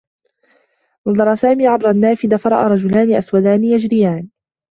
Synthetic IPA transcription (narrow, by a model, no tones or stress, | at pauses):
nɑðˤɑɾˤɑsaːmiːʕabɾˤanːaːfɪd̪afɑɾˤɑ̰ʔa̰ːɾˤɑd͡ʒʊlaːnɪʔaswad̪aːnɪjad͡ʒɾɪjaːn